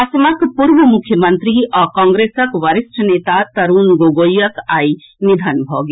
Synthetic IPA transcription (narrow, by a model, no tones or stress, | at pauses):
ɐsmɐkpuɾʋəmukʰjəmɐnt̪ɾiʔɔkɔ̃ːŋɡɾeːsɐkʋɐɾisʈʰəneːt̪at̪ɐɾuːnɡoːɡojɐkaːi | nid̪ʱɐnbʱɔ̰ːɡ